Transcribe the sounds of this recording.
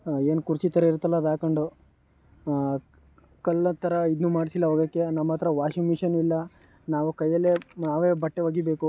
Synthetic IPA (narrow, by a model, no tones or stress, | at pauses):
e̞ːnkuɾt͡ʃit̪ɐɾeiɾt̪ɐlːɐd̪aːkɐɳɖu | kɐlːɐt̪ʰːɐɾɐid̪nuːmaːɽisilːɐɦoːɡɐkːenɐmːɐt̪ɐɾɐʋaːʃiŋmiʂɐnilːɐ | naːʋukɐjːɐlːenaːʋeːbɐʈːeʋaːɡibeːku